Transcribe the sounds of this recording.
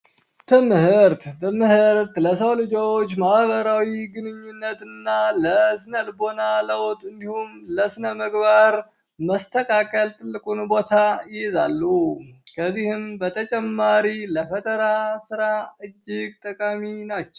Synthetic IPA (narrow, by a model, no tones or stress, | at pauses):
t̪ʰɨmhɨɾt̪t̪ʰɨmhɨɾt̪ləs̬əwlɨd͡ʒo̞t͡ʃːmahβəɾawiɡɨnɨɲːunːət̪ɨnːaləsɨnəlbonaləwt̪ʼɨnd̪ihumləsɨnəməɡβaɾ | məst̪ʰəkʼakʼəlt̪ʼɨlːɨkʼunbo̞t̪ʰajɛzalːukʰəzːihɨmbət̪ʰət͡ʃʼɛmːaɾiləfət̪ʼəɾasɨɾaɨd͡ʒːɪɡ̚t̪ʼəkʼaminat͡ʃːɛw